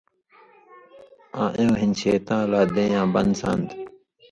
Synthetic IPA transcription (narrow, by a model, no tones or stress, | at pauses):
ãːʔẽwɦinɕeːt̪ãːlaːd̪ẽːjãːbɐnd̪sã̰ːnd̪